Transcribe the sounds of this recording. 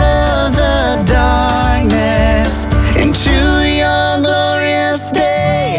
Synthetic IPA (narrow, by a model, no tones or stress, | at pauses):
ɾʌ | vðə | dɑ | k̚nɨs | ɨ̰̃ntʰʉiə | lɔɹiɨ | sde